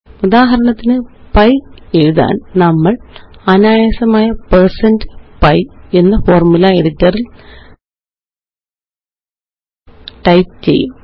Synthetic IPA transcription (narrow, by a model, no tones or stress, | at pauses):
ud̪aːɦɐɾɐɳɐt̪ːinɨ | pɐje̞ɻuða̰ːnnɐmːɐɭɐnaːjeːsɐmaːjɐpersɐndɨpɐje̞nːɐfo̞ːrmulɐeɾit̪ːɐril | ʈɐjpt͡ɕe̞̰jːum